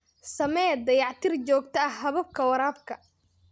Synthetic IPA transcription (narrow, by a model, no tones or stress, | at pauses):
sɐmɛd̪ɐjɑʕt̪ʰɪrt͡ʃɔːɡt̪ʰɐɐhhɐβɐb̚kʰɐwɐɾaːb̚kʰɐ